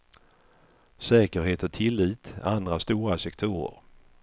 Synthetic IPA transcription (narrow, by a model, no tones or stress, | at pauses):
sɛːkəɾɦeːt̪ɔt̪ʰɪlːiːt̪and̪ɾast̪uːɾasɛkt̪ʰuːɾə̰ɾ